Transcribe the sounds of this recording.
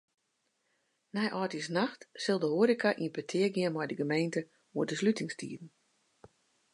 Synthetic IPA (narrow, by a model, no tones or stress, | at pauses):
nɛjʔɔːtisnaxtsɪlˠdəhoːɾikaʔiənpətʰɪəɡɪənmɔjdəɡəmejntə | uədəslytɪŋstḭːdn̩